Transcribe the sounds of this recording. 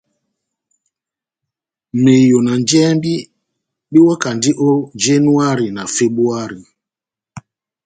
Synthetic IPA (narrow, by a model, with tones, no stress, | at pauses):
me˨jo˨na˨nd͡ʒɛ˦mbi˦ | ɓi˦wɔ˦ka˨ndi˦ʔo˦d͡ʒe˦nu˦a˦ɾi˨na˨fe˦bu˦a˦ɾi˨